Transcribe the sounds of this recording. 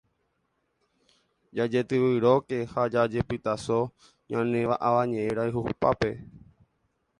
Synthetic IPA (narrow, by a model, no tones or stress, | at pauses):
d͡ʒad͡ʒet̪ɨʋɨɾoke̞had͡ʒad͡ʒe̞pɨt̪aso̞ | ɲãnẽ̞ʋaʔaʋaɲẽẽɾaɨɦuupa̰pe̞